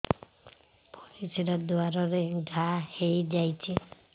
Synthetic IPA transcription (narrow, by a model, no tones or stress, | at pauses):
pɔɾisʰiɾad̪uaɾɔɾeɡʱahejd͡ʒajt͡ʃʰi